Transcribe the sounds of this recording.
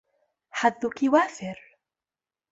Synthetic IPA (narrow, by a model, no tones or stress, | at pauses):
ħad̪ːʊkiwaːfɪɾ